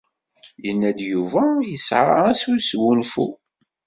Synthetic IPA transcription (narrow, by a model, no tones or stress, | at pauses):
jənːæd̪juvæjəsʕa̰æsuswunfṵ